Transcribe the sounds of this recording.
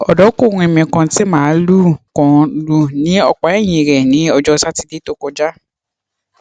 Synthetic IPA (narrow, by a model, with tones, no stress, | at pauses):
ɔ˨dɔ˨˦ko˦˨ɾũ˧ɛ˨mĩ˧˨kã˧ti˦mãː˦˨˦lu˦kɔ̃˨˧lu˦nĩ˨˦ɔ˧k͡pa˨ɛ˦˨j̃ĩ˨ɾɛ˨nĩ˨˦ɔ˧d͡ʒɔ˧sa˦ti˧de˦to˦kɔ˧d͡ʒa˦